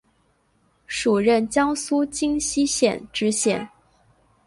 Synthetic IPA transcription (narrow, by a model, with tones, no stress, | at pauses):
ʂu˨˩ɻə˥˩nt͡ɕjɑ˥ŋsu˥t͡ɕi˥ŋɕi˥ɕjɛ̰˨˩˦nʈ͡ʂɻ̩˧˥ɕjɛ̰˨˩˦n